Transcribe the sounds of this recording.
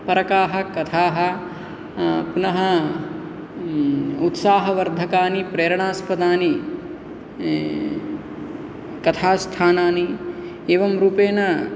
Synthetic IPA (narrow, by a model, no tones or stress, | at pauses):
pɐɾɐkaːɦɐ̆kɐt̪ʰaːɦɐ̆ | punɐɦɐ | ut̪saːɦɐʋɐɾd̪ʱɐkaːnipɾeːɾɐɳaːspɐd̪aːni | kɐt̪ʰaːst̪ʰaːnaːni | eːʋɐmɾuːpeːnɐ